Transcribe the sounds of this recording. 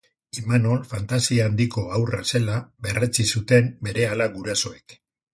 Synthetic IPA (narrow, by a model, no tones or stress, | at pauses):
imano̞lfant̪asiaːnd̪iko̞awra̰se̞laβe̞rʔet͡sisut̪e̞mbe̞ɾe̞alaɡuɾaso̞ek